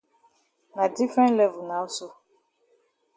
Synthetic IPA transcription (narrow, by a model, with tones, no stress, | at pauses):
nã˨di˦fɾɛ̃˦nlɛ˦vʊ˨nã˨˦o˦so˦